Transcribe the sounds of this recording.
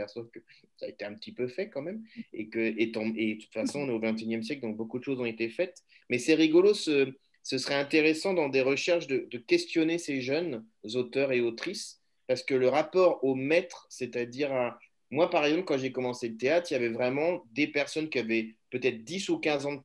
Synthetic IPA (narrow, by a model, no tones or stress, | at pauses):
pɛʁsonkəsa̰et̪eɛ̃pət̪ipøfɛkɑ̃mɛmḛkəet̪ɑ̃ed̪ət̪u̥t̪fasɔ̃ɔ̃nɛovɛ̃t̪̬injɛmsjɛkld̪ɔ̃k̚bokud̪əʃozɔ̃et̪efɛt̪ | mɛsɛʁiɡɔlosə | səsχɛɛ̃t̪eʁesɑ̃d̪ɑ̃d̪eʁəʃɛʁʃd̪əd̪əkʲɛst̪jɔneseʒœn | zot̪œʁeot̪χis | paʁsə̥kələʁapɔʁomɛt̪χsɛt̪ad̪iʁa | mwapaʁɛɡzɑ̃plkɑ̃ʒekɔmɑ̃selət̪eat̪χiljavɛvʁɛmɑ̃d̪epɛʁsɔnkʲiavɛpøt̪ɛt̪χd̪isukʲɛ̃zɑ̃